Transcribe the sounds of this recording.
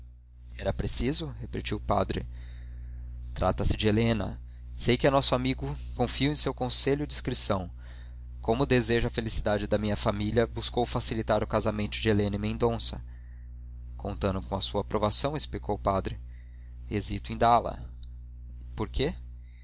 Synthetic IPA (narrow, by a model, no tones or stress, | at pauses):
ɛɾɐpɾesizʊhepet͡ʃiwʊpad̪ɾɪ̰ | t̪ɾʔa̰t̪ɐsɪd͡ʒɪelẽnɐ̰ | sejkɪɐnɔsʊamiɡʊ | kõfiʊẽsewkõseʎʊɪd͡ʒiskɾisɐ̃w̃ | kõmʊd̪ezeʒʊɐfelisid̪ad͡ʒɪd̪ɐmĩɲɐfamilʲɐbuskowfasilit̪aɾʊkazamẽnt̪ʊd͡ʒɪelẽnɐɪmẽnd̪õsɐ̰ | kõnt̪ɐ̃nd̪ʊkõɐsuɐːpɾovasɐ̃w̃ɪsplikʰowʊpad̪ɾɪ | ezit̪ʊẽd̪alɐ̰ | poɾke